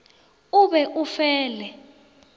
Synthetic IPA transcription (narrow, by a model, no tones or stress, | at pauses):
uɓɛʔufɛːlɛ